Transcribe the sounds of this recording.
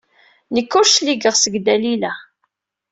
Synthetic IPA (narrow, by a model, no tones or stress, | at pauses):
nəkːʊɾʃliɡəʁsəɡd̪ælilæ